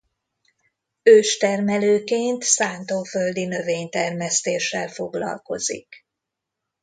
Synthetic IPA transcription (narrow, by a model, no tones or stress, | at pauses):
øːʃt̪ɛrmɛløːkeːnt̪saːnt̪oːføld̪inø̞veːɲt̪ɛrmɛst̪eːʃːɛlfo̞ɡlɒ̰lko̞zḭk